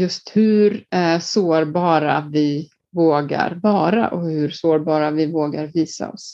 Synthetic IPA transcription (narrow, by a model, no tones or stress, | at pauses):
jɵst̪hɵɾsoːɾbɑːɾavɪ | voːɡa̰ɾvɑːɾa̰ʔɔhɵɾsoːɾbɑːɾavɪvoːɡaɾviːsa̰ɔ̰s